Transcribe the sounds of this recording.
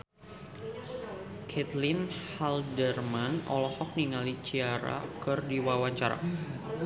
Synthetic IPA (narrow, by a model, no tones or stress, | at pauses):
kʰɛt̪lɪnhaldərmanɔ̰lɔhɔk̚niŋalit͡ʃiaɾa̰kɨrdiwawaɲt͡ʃaɾa̰